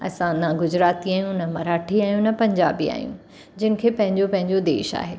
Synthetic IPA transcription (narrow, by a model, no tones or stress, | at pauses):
ɐ̰sãnɐɡʊd͡ʑɾaːt̪iaːjũnəmɐɾaːʈʰiaːɦjũnɐpɐ̃ɲd͡ʑaːbia̰ːjṵ̃ | d͡ʑɪnɪ̆kʰeːpɐ̃ɦɪ̃ɲd͡ʑopɐ̃ɦɪ̃ɲd͡ʑod̪ḛːʃa̰ːɦeː